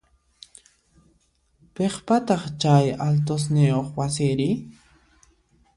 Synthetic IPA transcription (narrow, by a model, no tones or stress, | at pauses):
peχpat̪ɑχt͡ʃajalt̪os̬nɪoχwasɪɾɪ